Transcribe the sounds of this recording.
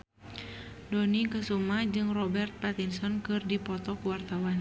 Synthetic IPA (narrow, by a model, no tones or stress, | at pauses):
dɔnikəsumahd͡ʒɨŋrɔbɛrt̪̚pat̪insɔnkɨrdipɔt̪ɔkuwart̪awan